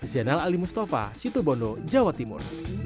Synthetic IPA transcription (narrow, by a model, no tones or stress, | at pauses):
zɛnalalimust̪afa̰sit̪ubɔnod͡ʒawat̪imʊ̰r